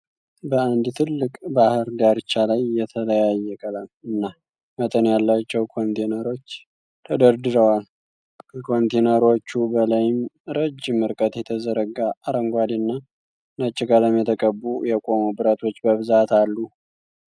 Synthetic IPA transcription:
bəand̪t̪ʰɨlːɨkʼbahɨɾɡaɾɨt͡ʃːalajːɛt̪ʰələjajːɛkʼəlamɨnːa | mət̪ʼənjalːat͡ʃːɛwkʰo̞nt̪ʰenəɾo̞t͡ʃː | t̪ʰəd̪əɾd̪ɨɾəwal | kʰəkʰo̞nt̪ʰenəɾo̞t͡ʃːubəlajɪmɾəd͡ʒɪmːɨɾkʼət̪jɛt̪ʰəzəɾəɡaːɾəŋɡʷad̪inːa | nat͡ʃʼːɪɡaləmjɛt̪ʰəkʼəbːujɛkʼo̞mubɨɾat̪ʰo̞t͡ʃːbəβɨzat̪alːu

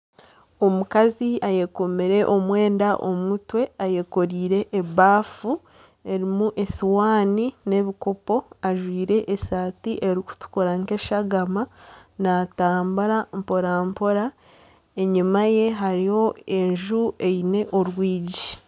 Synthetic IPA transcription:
o̞mukaziaje̞ko̞meɾe̞ʔo̞mwe̞ːndaʔo̰mutwe̞aje̞ko̞ɾiːɾe̞ʔːβaːfu | e̞ɾimuʔe̞siwaːnine̞βiko̞po̞aʒwiːɾe̞ʔːsaːtiʔeɾiku̥tu̥koɾaŋke̞ʃaɡamanataːmbaɾampo̞ɾampo̞ɾa | e̞ɲimaje̞ɦaɾijo̞e̞ɲʒuʔe̞ine̞ʔo̞ɾwiːɟi

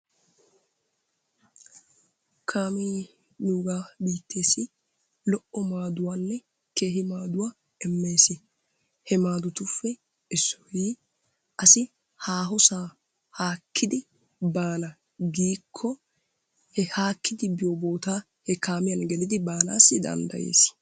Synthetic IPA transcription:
kʰaːmiː | nuːɡaːbiːt̪ʰːe̞ːsɪ | lɔʔɔmaːd̪ʊwanːɛ | ke̞ːɦɪmaːd̪ʊwa | ɛmːe̞ːsɪ | hɛmaːd̪ʊt̪ʊfːɛ | ɪsːɔ̥hiː | ʔɐsɪ | haːɦɔsaː | haːkʰːɪd̪ɪ | baːnɐ | ɡiːkʰːɔ | hɛhaːkʰːɪd̪ɪbɪjoboːt̪aː | hɛkaːmɪjɐnɡɛlɪd̪ɪbaːnaːsːɪd̪ɐ̰nd̪ɐ̰jḛːs

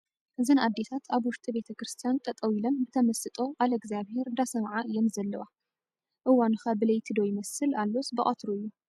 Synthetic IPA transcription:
ʔɨzɨnad̪ːe̞t̪ʰat̪ʰaβwʊʃt̪ʼibe̞t̪ʰɐkɾɨst̪ʰijant̪ʼɐt̪ʼɐwilɐmbɨt̪ʰɐmɐsɨt̪ʼo̞ʔalɡziaβhe̞ɾd̪asɐmʕaʔɨjːɛmzɐlːɐwa | ʔɨwanɨxabɨlɐjt̪ʰid̪o̞jɪmɐsɨlalːosbɨχʼɐt̪ʰɾuɨjːu

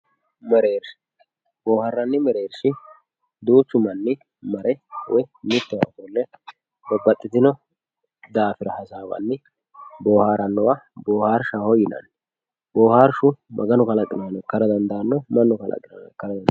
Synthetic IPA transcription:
mɛɾeːɾʃɪ̥ | boːharːɐnːɪmɛɾe̞ːɾʃɪ | d̪uːt͡ʃːʊmɐnːɪ | mɐɾʔɛwʔɔjmɪt̪ːɔwɐ̰t̪ɔlːɛ | bɐbːɐt̪ʼːɪt̪ɪnɔ | d̪aːfɪɾɐhɐsaːbɐ̰nːɪ | boːhaːɾɐnːɔwaboːhaːɾʃahɔjɪnɐ̰n | boːhaːɾʃʊmʔɐ̰ɡɐnɔkɐlɐkʼːɪnaːnɔkːɐɾɐd̪ɐnd̪ɐnːɔmɐnːɔkɐlʔɐ̰kʼɪnɐ̰ːnɔkːɐɾɐd̪ɐn

